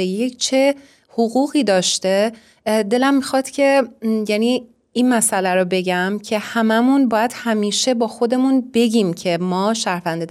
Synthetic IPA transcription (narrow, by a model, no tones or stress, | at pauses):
eject͡ʃʰe̞ | hoɣuːɣiːd̪ɒːʃt̪e̞ | d̪e̞læmːixɒːt̪cʲʰe̞jæniː | inmæsʔælæɾɔbe̞ɟæmcʰe̞hæmæmunbɒːjæd̪̥hæmiːʃe̞bɒːxo̞d̪e̞munbe̞ɟiːmcʰe̞mɒːʃæɾvænd̪e